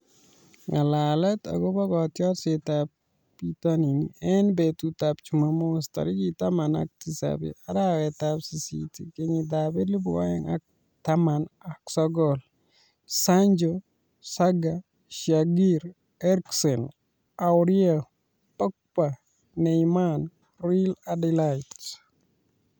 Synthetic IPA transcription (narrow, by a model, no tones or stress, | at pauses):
ŋalalɛta̰ɡobaɡɔtjɔtsetap | pitaniniɛnbetutapt͡ʃumamosta̰ɾikitamana̰k̚tisa̰bḭaɾawɛtapsisḭtḭkeɲidabɪdlibuwa̰jɛ̰ŋa̰k̚ | tamanaksɔɡɔl | saɲd͡ʒo | saɡa | ʃaɡiɾ | ɛɾksɔn | awɾia | pɔk̚pa | nɛjman | ɾiladilait